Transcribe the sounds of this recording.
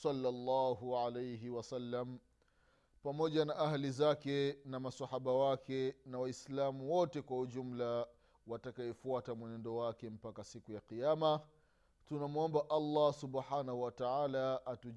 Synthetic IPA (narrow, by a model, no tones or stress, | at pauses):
sɑlːalːɑːɦuʕalejɦiwasalːam | pamɔʄanaʔahalizakɛnamasahaɓawakɛnawaislamuwɔtɛkwahuʄum̩la | watakaɛfuatamwɛnɛndɔwakɛm̩pakasikujaqijama | tunamuɔmbaʔalːɑsuɓħanahuwataʕaːlaːtu